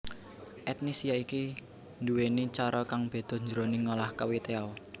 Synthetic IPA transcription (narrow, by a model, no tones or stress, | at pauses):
ʔɛt̪̚nisijaiki | nduwenit͡ʃaɾɔkaŋb̥e̤d̪̥ɔ̤ɲd͡ʒəɾoniŋolahkawit̪eaw